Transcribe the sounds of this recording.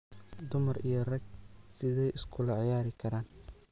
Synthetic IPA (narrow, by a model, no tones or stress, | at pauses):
d̪ʊmɐrijɞrɐɡ̚sɪðɛjʔɪskʰʊlɐʕɪjaːɾɪkʰɐɾaːn